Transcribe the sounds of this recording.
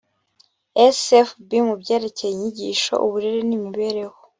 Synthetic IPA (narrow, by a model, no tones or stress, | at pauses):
esefbimubɟeːɾe̞cejiɲiɟiʃo̞̰ʔuβuɾeɾenimiβe̞ɾe̞ho